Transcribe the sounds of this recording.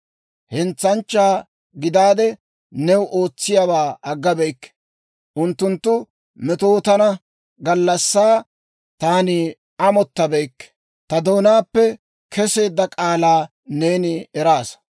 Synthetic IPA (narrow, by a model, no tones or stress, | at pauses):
hɛnt͡sːɐnt͡ʃːaː | ɡɪd̪aːd̪ɛ | nɛwʔoːt͡sːɪjabaːɐɡːɐbɛjkːɛ̥ | ʔʊnt̪ːʊnt̪ːʊ | mɛt̪oːt̪ɐnɐ | ɡɐlːɐsːaː | t̪aːnɪ | ɐmɔt̪ːɐbɛjkː | t̪ɐd̪o̞ːnaːpːɛ | kʰɛse̞ːd̪ːɐkʼaːlaː | ne̞ːnɪɛɾaːs